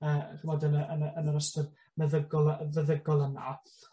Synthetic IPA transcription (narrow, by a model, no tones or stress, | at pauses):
əːχvoːdənəʔənəənəɾəstəd | məðəɡɔlˠəvəðəɡɔlˠəna̰